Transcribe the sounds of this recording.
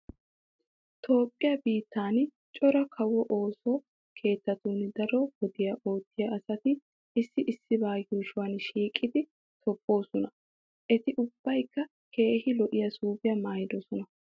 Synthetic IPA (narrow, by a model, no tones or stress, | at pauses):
t̪o̞ːpʼːɪjɐbiːt̪ːaːn | t͡ʃʼɔɾɐkʰɐwːɔʔo̞ːsɔ | kʰe̞ːt̪ːɐt̪uːnd̪ɐɾɔwɔd̪ɪjɐʔo̞ːt̪ːɪjɐʔɐsɐt̪ɪ | ɪsːɪʔɪsːɪbaːjuːʃʊwaːnʃiːkʼːɪd̪ɪ | t̪ʰɔpʼːo̞ːsɔnɐ | ʔɛt̪ɪʔʊb̥ːɐjkːɐ | kʰe̞ːhɪlɔʔɪjɐsuːbɪjɐmaːjɪd̪ɔsɔnɐ